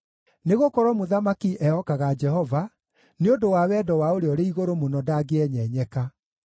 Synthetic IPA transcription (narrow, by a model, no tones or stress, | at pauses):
neɣokɔɾwɔmoðamakiʔɛɔkaɣad͡ʒɛɦɔva | neondowawɛdɔwaoɾeɔɾeiɣoɾomonɔdaɡeɛɲɛɲɛka